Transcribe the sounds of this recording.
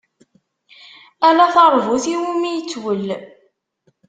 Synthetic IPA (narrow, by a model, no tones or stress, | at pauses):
ælæθəɾˤvuθiwimijət͡sːwəlː